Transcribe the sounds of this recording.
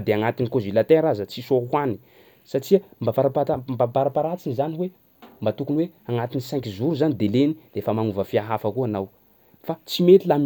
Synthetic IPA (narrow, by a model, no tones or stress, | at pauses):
d̪eaŋat̪inikozilat̪eɾazət͡sisowani̥ | saʈ͡ʂiəmbapaɾapat̪ambapaɾapaɾat͡sinizaniwe | mbat̪ukunweaŋat̪inisɛ̃ŋkizuɾuzanid̪elenid̪̥eefəmanuvəfiaɦafəkuanaw | fat͡simet̪ilam